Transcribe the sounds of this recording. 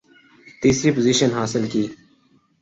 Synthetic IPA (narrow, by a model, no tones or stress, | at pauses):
t̪iːsɾiːpoziːʃənɦaːsɪlkiː